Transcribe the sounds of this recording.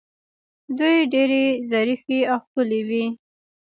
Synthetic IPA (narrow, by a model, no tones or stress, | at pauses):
d̪ujɖeɾezaɾifiawxkəlewi